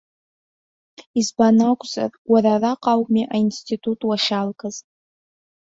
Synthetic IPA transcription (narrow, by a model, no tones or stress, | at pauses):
izbanakʷʼza̰rwararaqʼawmiʔainstʰitʰʼutʼwaʃalkʼaz